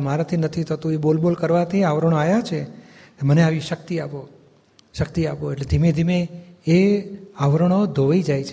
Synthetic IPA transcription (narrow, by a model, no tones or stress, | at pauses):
maɾat̪ʰinət̪ʰit̪ʰət̪ũeɓolbolkəɾʋat̪ʰiaʋɾəɳ̃oajat͡ʃʰe | məneaʋiʃək̚t̪iapo | ʃək̚t̪iapoeʈled̪ʱimed̪ʱimeː | aʋɾəɽ̃od̪ʱoʋaid͡ʒajt͡ʃʰe